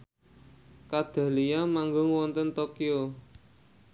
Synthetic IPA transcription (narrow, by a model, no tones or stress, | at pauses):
kad̪̥a̤lijamaŋɡʊŋwɔnt̪ənt̪okio